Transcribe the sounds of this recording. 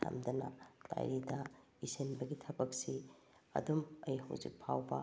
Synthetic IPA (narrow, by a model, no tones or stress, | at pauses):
tʰa̰mdɐnɐ̰da̰jɾidɐ | isenbɐɡitʰɐbɐk̚si | ɐ̰dumɐjɦɐ̰wzḭk̚pʰawbɐ